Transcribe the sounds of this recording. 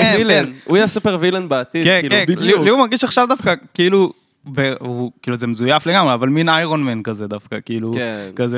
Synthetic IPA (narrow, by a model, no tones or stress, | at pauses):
vilenujasupeʁvilanbaːt̪idkenliliumaʁɡiʃaχʃavd̪afkakiilu | beukiːluze̞mezujafleɡamʁeavalminajʁonmenkazed̪afkakiiluekaze